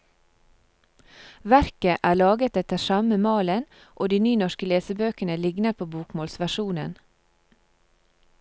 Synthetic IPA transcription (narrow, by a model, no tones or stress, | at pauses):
ʋæɾkəʔæːɭɑːɡət̪ɛt̪əʃɑməmɑːlən | ʔoːd̪iːnyːnɔʃkəleːsəbøːkənəlɪɡnəɾpʰoːbuːkmoːlsʋæʃuːnən